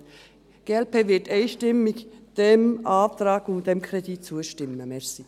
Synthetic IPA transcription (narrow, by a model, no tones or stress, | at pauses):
ɡ̥eːɛlpeːvɪteɪʃtɪmɪçd̥emʔaft̪ɾaːkʊnd̥emkʰɾeditt͡suɛʃtɪməmɛsi